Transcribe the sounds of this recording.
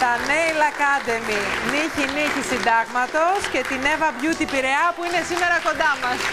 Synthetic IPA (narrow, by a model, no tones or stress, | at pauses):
t̪ɐneilɐkɐd̪e̞miniçiniçisind̪ɐɣmɐt̪o̞sce̞t̪ine̞vɐvʝut̪ipiɾe̞ɐpuine̞sime̞ɾɐko̞nd̪ɐmɐs